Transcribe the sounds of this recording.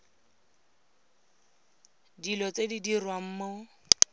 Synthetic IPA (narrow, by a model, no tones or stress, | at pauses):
dilɔt͡sedidirwam̩ːmɔ